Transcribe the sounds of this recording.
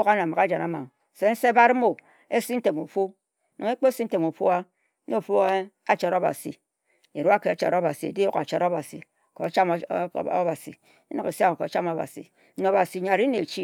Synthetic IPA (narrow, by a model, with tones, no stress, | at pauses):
ka˦n˨a˨ma˨ka˦d͡ʒa˨na˨˦ma̰˨ŋ˨ | se˦n̩˦se˦ba˦ɾmo˨ | e˦si˦n̩˦te˨mu˨fo˦ | no˨ŋe˦k͡po˦si˦n̩˦te˨mu˨fo˦a˦ | no˦˨fu˦e˦ | a˦t͡ʃa˨ɾo˦ba̰˨sḭ˨ | e˨ɾu˦a˦ke˨a˨t͡ʃa̰˨ɾo˦ba˨si˨ḛ˨di˦wo˦ka˨t͡ʃa˨ɾo˦ba˨sḭ˨ | ko˨˦t͡ʃa˦m̰˦ba˨sḭ˨ | i˦no˨ke˨sa˦˨ko˨t͡ʃa˦ma˨ba̰˨sḭ˨˦ | n˨o˨ba˨si˨ɲa˨ɾi˦ne˨t͡ʃi˦